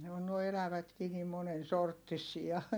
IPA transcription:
ne on nuoi elæʋætkiː nim monen sortːisiɑ

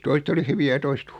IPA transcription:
toiset oli hyʋiæ jɑ toiset

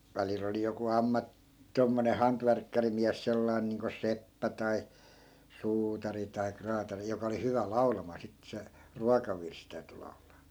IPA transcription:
ʋælil oli joku ɑmːɑ tomːone hɑntʋærkːærimiæs selːɑi̯n niːŋko sepːæ tɑi suːtɑri tɑi krɑːtɑri jokɑ oli hyʋæ lɑu̞lɑmɑː sitːĕ se ruokɑʋirs tæyty lɑu̞lɑː

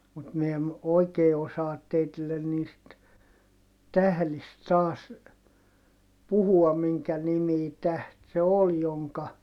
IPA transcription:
mut mi em oikeː osɑːt teitilːen niːst tæhlist tɑːs puhuɑm miŋkæ nimiː tæht se ol joŋkɑ

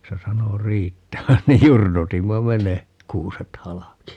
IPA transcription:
se sɑno riːtːæʋæn niːj jurnutimːɑ me ne kuːset hɑlɑki

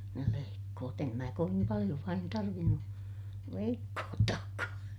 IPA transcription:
oli ne leikːoːt em mæː koʋim pɑlij̆o ʋɑin tɑrʋinːu leikːoːtːɑːkːɑː

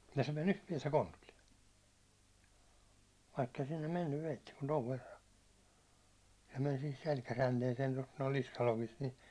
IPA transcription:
jɑ se men yht piɛtæ kontulːie ʋɑikːei sinːem menːyʋ ʋeitːi kun toʋ ʋerːɑ se men sihis selkæjænteːseː tost noi niskɑlokist ni

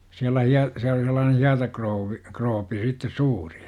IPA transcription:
siælæ hiɑ siæl oli selːɑːnen̞ hiɑtɑkrouʋːi kroːpi sitːes suːr̥i̥ j̊ɑ̥ m

